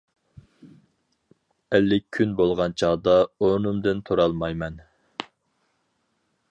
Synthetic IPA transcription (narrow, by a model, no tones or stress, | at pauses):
ɛlːɪkʲʰynbolˠʁɑnt͡ʃʰɑd̪ɑonumd̪ɨnt̪ʰoɾɑlˠmɑjmɛn